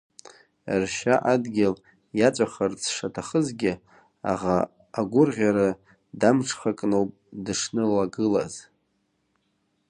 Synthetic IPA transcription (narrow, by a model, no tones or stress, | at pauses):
rʃaʔadɡʲɪl | jat͡ʃʷʼaχart͡sʰʂatʰaχəzɡʲɪ | a̰ʁa | aɡʷʊrʁʲaɾa | damʈ͡ʂʰχakʼnowpʼdɨʂnɨlaɡɨla̰z